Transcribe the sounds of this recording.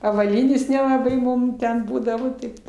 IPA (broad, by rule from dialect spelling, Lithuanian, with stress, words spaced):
ɐʋɐˈlʲiːnʲeːs nʲɛlˠɐˈbɐɪ ˈmʊm ˈtʲɛn ˈbuːdɐʋoː ˈtɐɪp